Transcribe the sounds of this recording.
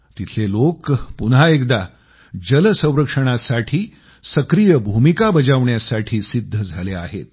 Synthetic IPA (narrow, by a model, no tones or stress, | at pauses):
t̪it̪ʰelokpunɦaekd̪a | d͡ʑələsə̃w̃ɾəkʂəɽ̃asaʈʰiː | səkɾijəbʱumikabəd͡zaʋɳjasaʈʰiːsid̪ʱːəd͡zʱalea̰ɦḛt̪̚